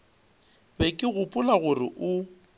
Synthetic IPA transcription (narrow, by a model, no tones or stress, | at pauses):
bɛkʼɪɣʊpʼʊlaɣʊrɪ̰ʔʊ